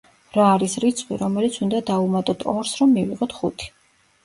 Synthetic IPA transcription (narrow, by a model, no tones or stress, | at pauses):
ɾaːɾisɾit̪sʰʼχʼwḭɾɔmɛlit̪sʰund̪ad̪aumat̪ʼɔt̪ʰɔɾsɾɔmːiviʁɔt̪ʰχut̪ʰi̥